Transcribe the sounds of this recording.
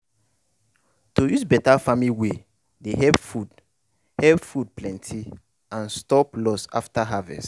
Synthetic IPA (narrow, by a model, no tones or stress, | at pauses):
tojuzbɛtafamliwe | deɦɛpfud | hɛpfud̚plɛ̃ntʰi | ãnstɔplɔsa̰ftaɦavɛ̰st